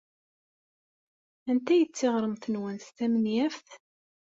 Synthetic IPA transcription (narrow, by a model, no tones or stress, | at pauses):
ænt̪æjət͡sːeʁɾˤəmθənwænst̪æmənjæfθ